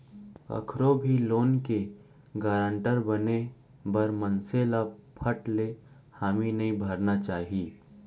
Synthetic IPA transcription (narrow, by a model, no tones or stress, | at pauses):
ɐ̰kʰɾobʱiloːnke | ɡaːɾə̃ɳʈəɾbɐne | bɐɾmənselapʰəʈle | haːminɐɦĩbʱɐɾnat͡ʃaːɦiː